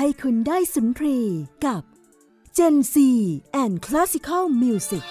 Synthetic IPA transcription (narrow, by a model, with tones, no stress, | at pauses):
a˥˩jkʰu˧ndaː˥˩jsu˨˩˦np̪ʰɾiː˧ka˨˩p̚ | t͡ɕe˧nsiː˧ʔɛː˨˩nkʰla˦˥si˧kʰa˥˩lmi˧si˨˩k̚